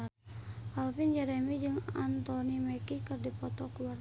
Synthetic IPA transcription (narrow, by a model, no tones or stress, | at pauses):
kalfind͡ʒɛɾɛmid͡ʒɨŋa̰nt̪ɔnimɛkikɨrdipɔt̪ɔkuwar